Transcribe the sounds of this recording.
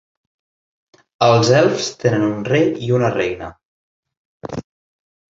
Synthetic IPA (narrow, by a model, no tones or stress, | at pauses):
əlˠzɛlˠfst̪enənunrejiunərejnə